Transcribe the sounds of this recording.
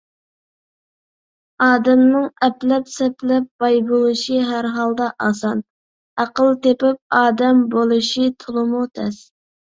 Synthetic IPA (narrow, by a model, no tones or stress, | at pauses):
ɑːd̪ɛmnɨŋɛplɛpsɛplɛp̚b̥ɑjbolˠɨʃiɦæɾɦɑlˠd̪ɑʔɑsɑn | æqəlˠt̪epɪp̚ɑːd̪ɛmbolˠɨʃit̪ʰulˠɨmut̪ʰɛs